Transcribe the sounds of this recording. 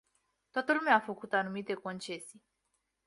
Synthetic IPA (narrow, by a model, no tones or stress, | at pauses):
t̪oat̪əlumeafəkut̪anumit̪e̞ko̞nt͡ʃe̞si